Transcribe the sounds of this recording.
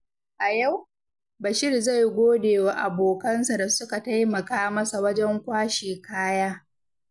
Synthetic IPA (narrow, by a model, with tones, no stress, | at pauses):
ʔa˨ja˦˨w | bɐ˨ʃɪ˦rza˦˨jɡʷoː˦deː˨wa˦ʔa˨boː˨kɐ˦nsa˨da˨sʊ˦ka˨ta˦jmɐ˨kaː˦mɐ˦sa˨wɐ˦d͡ʒɛ˦ŋkʷaː˦ʃeː˨kaː˦jaː˦